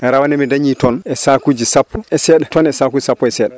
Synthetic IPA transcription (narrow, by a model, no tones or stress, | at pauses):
ɛɾawanɛmɛdaɲiːtɔnɛsakud͡ʒisapːɔɛsɛːɗɛtɔnɛsakuːd͡ʒisapːɔɛsɛːɗɛ